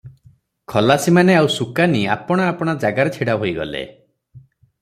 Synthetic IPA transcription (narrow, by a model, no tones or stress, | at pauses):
kʰɔlasimaneawsukania̰pɔɽ̃aːpɔɽ̃ad͡ʒaɡaɾet͡ʃʰiɽaɦojɡɔ̰lḛ